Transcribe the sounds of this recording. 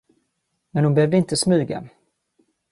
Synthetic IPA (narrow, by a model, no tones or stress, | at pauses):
mɛnhʊnbɛhøːvd̪əɪnt̪əsmʉ̟ːɡa̰